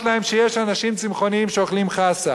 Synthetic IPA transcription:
t̪lahe̞mʃeje̞ʃanaʃimt͡simχo̞niimʃeoχlimχasa

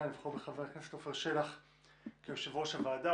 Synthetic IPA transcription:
livχobeχaveʁkneset̪ofeʁʃelaχ | kemʃavoʃavaːd̪a

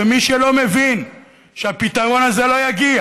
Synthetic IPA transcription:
emiʃelo̞mevin | ʃeapitaʁo̞nazelo̞jaɡia

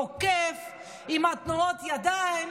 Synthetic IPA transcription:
okef | imat̪nuot̪jad̪ain

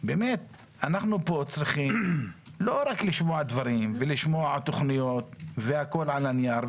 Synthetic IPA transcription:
bemet̪ | anaχnupo̞t͡sɾiχimlo̞ɾakliʃmoaʕd̪vaɾimveliʃmoaʕat̪oχnijot̪veako̞lʕalanijaɾ

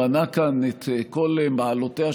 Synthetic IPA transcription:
anakanet̪kolemaːlotea

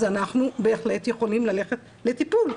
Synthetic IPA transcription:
zanaχnube̞ːχle̞tje̞χo̞limlale̞χet | le̞tipul

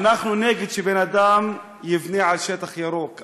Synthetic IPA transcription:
naχnuneɡid̪ʃebenad̪am | jivniʕalʃet̪aχjaɾok

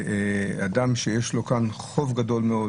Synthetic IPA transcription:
adamʃejeʃlo̞kanχo̞vɡad̪o̞lmeo

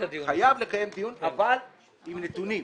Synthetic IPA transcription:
xajavle̞kaje̞md̪ijunaval | imnet̪unim

